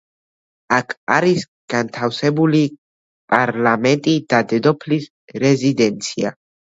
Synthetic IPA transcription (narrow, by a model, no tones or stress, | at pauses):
akaɾis | kant̪ʰawsebuli | pʼaɾlament̪ʼid̪̥ad̪ed̪oplis | rezid̪ɛnsja̰